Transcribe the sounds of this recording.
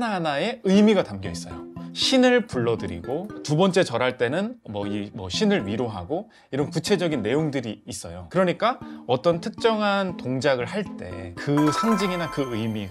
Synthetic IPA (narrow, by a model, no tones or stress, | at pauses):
nanae̞ɯjmiɡatamɡjʌis͈ʌ̰jo̰ɕʰinɯɭpuɭːʌdɯɾḭɡotubʌnt͡ɕ͈e̞t͡ɕʌɾɦaɭt͈e̞nɯnmʌimwʌ̰ɕʰinɯɭɥiɾoɦa̰ɡo | iɾʌnkut͡ɕʰe̞d͡ʑʌɡinːe̞joŋdɯɾiːs͈ʌjo̰kɯɾʌɲik͈aʌt͈ʌntʰɯk̚t͡ɕ͈ʌŋɦantoŋd͡ʑaɡɯɭɦaɭt͈e̞̰kɯsʰaŋd͡ʑiŋinakɯɯmiɡ